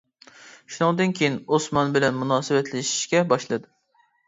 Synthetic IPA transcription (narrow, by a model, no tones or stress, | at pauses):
ʃunɨŋd̪ɨnkʲʰejinosmɑnbɪlɛnmunɑːsɨwɛt̪ʰlɪʃi̥ʃkʲɛbɑʃlˠɨd̪ɨ